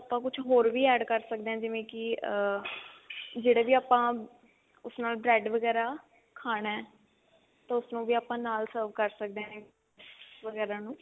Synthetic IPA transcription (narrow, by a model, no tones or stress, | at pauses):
aːpːãːkʊt͡ʃʰɦoːɾʋiːɛːɖkəɾsək̚d̪ẽːɛ̃ːd͡ʒɪʋẽːkɪ | d͡ʒeːɽeːbiːaːpãː | ʊsnaːlbɾɛːɖʋəɡɛːɾaː | kʰaːɽ̃aɛː | t̪ãːʊsnũːʋiːaːpãːnaːlsəːɾʋkəɾsək̚d̪eeː | ʋəɡɛːɾãːnũː